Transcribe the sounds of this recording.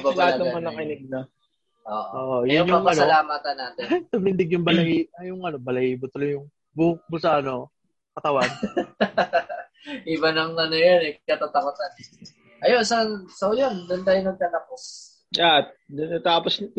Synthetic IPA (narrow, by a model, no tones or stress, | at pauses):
balaɐt̪ɐŋɐnɐkɪnɛɡ̚nɐ | ʔo̰ːʔoːʔojʊonɐŋkɐɐlaːmaːt̪ɐnːaːt̪ɛsɐmlɪnd̪ɪɡjʊŋbɐlɐʔiɐjʊŋʔɐno̞bɐlɐhibot̪olojʊŋ | buk̚bʊsɐʔɐno̞ | kɐt̪ɐwan | ʔɪbɐnɐŋnɐnɐjonɛkɐt̪at̪ɐpɐsan | ʔɐjonsɐsojond̪ʊnt̪aːjonɐɡ̚t̪aːt̪ɐpos | at̪̚d̪ɐnat̪aːpos